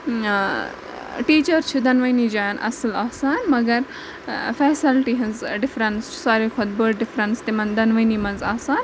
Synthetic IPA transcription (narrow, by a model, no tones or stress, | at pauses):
ʈiːt͡ʃɐɾt͡ʃʰud̪ɐnʋɐnid͡ʒaːnʔɐ̰sɨlaːsaːnmɐɡɐɾ | fɛːsilʈiɦɐ̃nzɖɪfɾɐnst͡ʃʰu̥saːɾiːkʰɔd̪̚bəʈɖɪfɾɐnst̪emɐ̃nd̪ɐnʋɐniːmɐnzaːsaːn